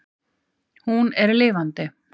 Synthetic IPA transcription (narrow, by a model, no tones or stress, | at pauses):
hunɛɾlɪːvant̪ɪ